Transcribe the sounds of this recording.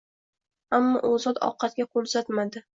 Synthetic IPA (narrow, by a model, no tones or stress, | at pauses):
amːɒʔozɒt̪ɒ̰qʰɑt̪̚ɡʲaqʰolˠsat̪mad̪ɪ